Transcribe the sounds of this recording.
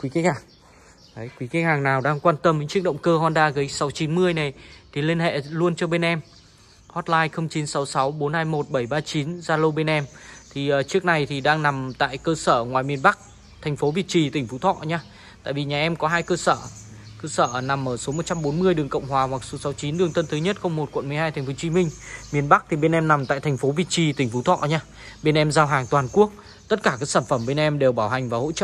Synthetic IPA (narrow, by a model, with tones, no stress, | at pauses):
kwi˨˦ki˨˦haː˨˩ŋ˨˦ | jkwi˨˦ki˧˦ŋ̚haː˨˩ŋnaː˨˩wɗaː˧ŋkwaː˧nt̪ə˧mɨ˨˦t͡ɕɨ˦˥ək̚ɗə̰˧˨wŋ͡mkəː˧ɦɔ˧nɗaː˧ɣə˨˦jsa˨˦wt͡ɕi˨˦nmɨ˧əjna˨˩jt̪ʰi˨˩li˧ənhḛ˧˨lu˧ənt͡ɕɔ˧ɓe˧nʔɛ˧m | hɔ˦˥t̚laː˧jxə˧wŋ͡mt͡ɕi˨˦nsa˨˦wsa˨˦wɓo˨˦nhaː˧jmo˨˩t̚ɓə˧˩jɓaː˧t͡ɕi˨˦nzaː˧lə˧wɓe˧nʔɛ˧mt̪ʰi˨˩ʔəː˨˩t͡ɕɨ˦˥ək̚na˨˩jt̪ʰi˨˩ɗaː˧ŋna˨˩mt̪a̰ː˧˨jkəː˧səː˧˩ŋwaː˨˩jmi˧ənɓa˦˥k̚ | t̪ʰɛ˨˩jŋ̟fo˨˦vi˨˩ət͡ɕi˨˩t̪ï˨˩ŋ̟fu˨˦t̪ʰɔ̰˧˨ɲaː˧ | t̪a̰ː˧˨jvi˨˩ɲaː˨˩ʔɛ˧mkɔ˨˦ɦaː˧jkəː˧səː˧˩ | kəː˧səː˧˩na˨˩mʔəː˧˩so˨˦mo˨˩t̚t͡ɕa˧mɓo˨˦nmɨ˧əjɗɨ˨˩əŋkə̰˧˨wŋ͡mhwaː˨˩hwa˨˩k̚so˨˦sa˨˦wt͡ɕi˨˦nɗɨ˧əŋt̪ə˧nt̪ʰɨ˨˦ɲə˦˥t̚xə˧wŋ͡mmo˨˩t̚kwə˧˨nm˨əjɦaː˧jt̪ʰɛ˨˩ŋ̟fo˨˦t͡ɕi˨˦mï˧ŋ̟mi˧ənɓa˦˥k̚t̪ʰi˨˩ɓe˧nʔɛ˧mna˨˩mt̪a̰ː˧˨jt̪ʰŋ̟fo˨˦vi˨˩t̚t͡ɕi˧˩t̪ï̟˨˩fu˨˦t̪ʰɔ̰˧˨ɲaː˧ | ɓe˧nʔɛ˧mzaː˧wɦaː˨˩ŋt̪waː˨˩nku˦˥ək̚ | t̪ə˦˥t̚kaː˧˩kaː˨˦˥ksaː˧˩nfə˧˩mɓe˧nʔɛ˧mɗe˨˩wɓaː˧˩wɦa˨˩ŋ̟vaː˨˩ho̰˧˥t͡ɕə̰ː˧˨